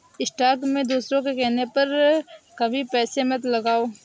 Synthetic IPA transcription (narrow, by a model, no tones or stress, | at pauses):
ɪsʈaːɾkmẽd̪uːsɾõkekɛɦnepɐɾkɐbʱipɛːsemɐt̪lɐɡaːoː